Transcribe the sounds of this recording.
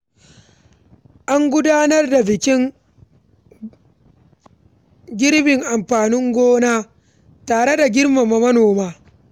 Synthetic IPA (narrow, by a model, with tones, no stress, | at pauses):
ʔa˦ŋɡʷʊ˦daː˦nɐ˦rda˨bɪ˨kʲɪ˦ŋ | ɡʲɪ˦ɽbɪ˨ŋʔa˨mɸaː˨nɪ˦ŋɡʷoː˦naː˦ | taː˨ɽe˦da˨ɡʲɪ˦rma˨ma˨mɐ˦noː˨maː˦